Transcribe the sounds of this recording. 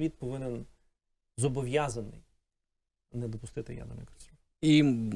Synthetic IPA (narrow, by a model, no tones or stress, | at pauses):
ʋʲit̪̚pɔʋɪnɛn | zɔbɔʋʲjazɐnɪ̰j | nɛd̪ɔpʊst̪ɪt̪ɪja̰d̪ɐ̰nɐ̰jksʲu | i